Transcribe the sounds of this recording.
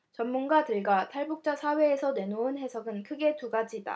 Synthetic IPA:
t͡ɕʌnːunɡadɯɭɡatʰaɭbuk̚t͡ɕ͈asʰawe̞ːsʰʌne̞nounɦe̞sʰʌɡɯnkʰɯɡe̞tuɡad͡ʑida̰

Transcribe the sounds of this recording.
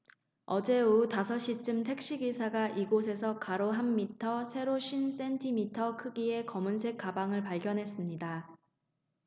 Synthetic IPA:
ʌd͡ʑe̞utasʰʌɕ͈it͡ɕ͈ɯmtʰe̞k̚ɕ͈iɡisʰaɡaʔiɡos̬ʰe̞s̬ʰʌkaɾoɦamːitʰʌsʰe̞ɾoɕʰins͈e̞ntʰimitʰʌkʰɯɡie̞kʌmunsʰe̞k͈abaŋɯɭpaɭɡjʌnɦe̞s͈ɯmɲida

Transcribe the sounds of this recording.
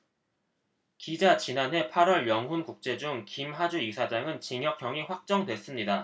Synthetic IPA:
kid͡ʑat͡ɕinanɦe̞pʰaɾwʌɭjʌŋɦunkuk̚t͡ɕ͈e̞d͡ʑuŋkimɦad͡ʑuisʰad͡ʑaŋɯnt͡ɕiŋjʌkʰjʌŋiɸwak̚t͡ɕ͈ʌŋdwe̞s͈ɯmɲida

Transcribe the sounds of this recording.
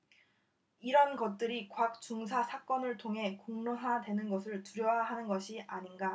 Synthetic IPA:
iɾʌnɡʌt̚t͈ɯɾikwak̚t͡ɕuŋsʰasʰak͈ʌnɯɭtʰoŋɦe̞koŋnɯɦadwe̞nɯnɡʌsʰɯɭtuɾjʌwaɦanɯnɡʌɕʰiʔaɲinɡa

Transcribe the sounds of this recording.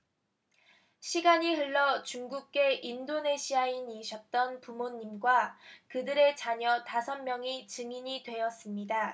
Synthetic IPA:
ɕʰiɡaɲiɦɯɭːʌt͡ɕuŋɡuk̚k͈e̞ʔindone̞ɕʰiainiɕʰʌt̚t͈ʌnpumoɲːimɡwakɯdɯɾe̞t͡ɕaɲʌtasʰʌnmjʌŋit͡ɕɯŋiɲidwe̞jʌs͈ɯmɲida

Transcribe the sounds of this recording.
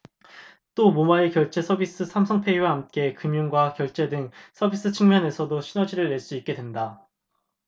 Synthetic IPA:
t͈omomaekjʌɭt͡ɕ͈e̞sʰʌbis͈ɯsʰamsʰʌŋpʰe̞iwaɦamk͈e̞kɯmjunɡwakjʌɭt͡ɕ͈e̞dɯŋsʰʌbis͈ɯt͡ɕʰiŋmjʌne̞sʰʌdoɕʰinʌd͡ʑiɾɯɭːe̞ɭs͈uit̚k͈e̞dwe̞nda

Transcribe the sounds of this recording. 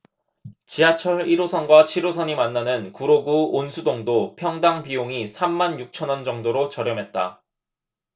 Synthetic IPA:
t͡ɕiɦat͡ɕʰʌɾiɾosʰʌnɡwat͡ɕʰiɾosʰʌɲimanːanɯnkuɾoɡuonsʰudoŋdopʰjʌŋdaŋpioŋisʰamːanjuk̚t͡ɕʰʌnʌnd͡ʑʌŋdoɾot͡ɕʌɾjʌmɦe̞t̚t͈a̰

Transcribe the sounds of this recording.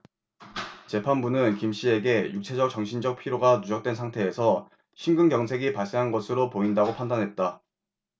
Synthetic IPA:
t͡ɕe̞pʰanbunɯnkimɕ͈ie̞ɡe̞juk̚t͡ɕʰe̞d͡ʑʌk̚t͡ɕʌŋɕʰind͡ʑʌk̚pʰiɾoɡanud͡ʑʌk̚t͈we̞nsʰaŋtʰe̞ːsʰʌ | ɕʰinɡɯŋɡjʌŋsʰe̞ɡipaɭs͈e̞ɦanɡʌsʰɯɾopoindaɡopʰandanɦe̞t̚t͈a

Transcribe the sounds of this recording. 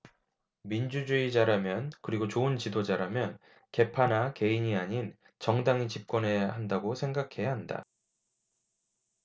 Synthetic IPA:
mind͡ʑud͡ʑuid͡ʑaɾamjʌnkɯɾiɡot͡ɕoɯnt͡ɕidod͡ʑaɾamjʌn | ke̞pʰanake̞iɲiaɲin | t͡ɕʌŋdaŋit͡ɕip̚k͈ʌnɦe̞jaɦandaɡosʰe̞ŋɡakʰe̞jaɦanda̰

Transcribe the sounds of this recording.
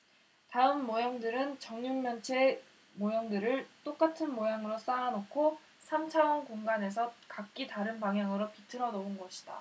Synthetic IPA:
taɯmːojʌŋdɯɾɯnt͡ɕʌŋɲuŋmjʌnt͡ɕʰe | mojʌŋdɯɾɯɭt͈ok͈atʰɯnmojaŋɯɾos͈aanokʰo | sʰamt͡ɕʰawʌnkoŋɡane̞s̬ʰʌkak̚k͈itaɾɯnpaŋɦjaŋɯɾopitʰɯɾʌnounɡʌɕʰi̥d̥a̰

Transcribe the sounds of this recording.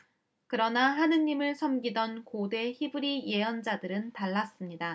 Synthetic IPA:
kɯɾʌnaɦanɯɲːimɯɭsʰʌmɡidʌnkode̞çibɯɾije̞jʌnd͡ʑadɯɾɯntaɭːas͈ɯmɲida

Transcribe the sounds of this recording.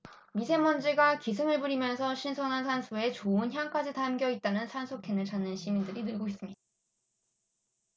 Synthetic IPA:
misʰe̞mʌnd͡ʑiɡakis̬ʰɯŋɯɭpuɾimjʌnsʰʌɕʰinsʰonansʰansʰue̞t͡ɕoɯnçjank͈ad͡ʑitamɡjʌit̚t͈anɯnsʰansʰokʰenɯɭt͡ɕanːɯnɕʰimindɯɾinɯɭɡois͈ɯmɲid̥a

